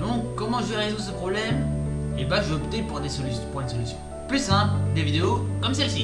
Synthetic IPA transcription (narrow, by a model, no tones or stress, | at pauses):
d̪ɔ̃kːɔmɑ̃ʒəvɛʁezud̪əs̬əpχɔblɛmebãʒəɔpt̪epuʁd̪esɔlyspuʁinsɔlysjɔ̃ | plysɛ̃d̪evid̪eokɔmsɛlsi